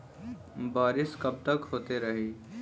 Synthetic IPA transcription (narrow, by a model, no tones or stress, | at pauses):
baːɾɪskəb̚t̪əkɦoːt̪eɾəɦi